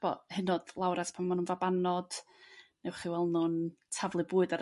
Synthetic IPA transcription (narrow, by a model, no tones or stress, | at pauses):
b̥ɔ̰hɨnɔd̥lˠawɾaspʰammːanunvabanɔd̥ | newχiwɛlˠnʊntʰavlˠɨbuːɨdaɾ